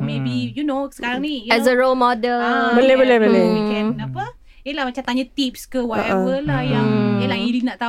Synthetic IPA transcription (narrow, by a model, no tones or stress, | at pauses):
mebijunosə̥kaɾaŋnijɛzəɹolmɔdəlbəlebəlehbəleikɛ̃apə | jəlahmat͡ʃamt̪aɲət̪ip̚skəwɔəɛʔəlahjaŋjəlahilinaʔt̪a